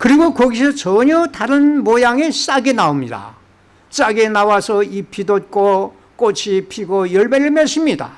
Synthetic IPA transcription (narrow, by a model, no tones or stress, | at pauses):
kɯɾiɡokʌɡisʰʌt͡ɕʌɲʌtaɾɯnmojaŋe̞s͈aɡenaomɲida̰ | s͈aɡe̞nawasʰʌipʰidot̚k͈o | k͈ot͡ɕʰipʰiɡojʌɭmeɾɯɭmeɕʰimɲida̰